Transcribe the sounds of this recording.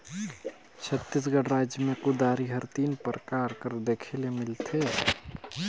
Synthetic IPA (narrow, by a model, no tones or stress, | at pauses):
t͡ʃʰət̪ːis̬ɡəɽɾaːd͡ʒjəmẽkʊd̪aːɾiɦəɾt̪iːnpɾəkaːɾkəɾd̪eːkʰelemɪlt̪ʰe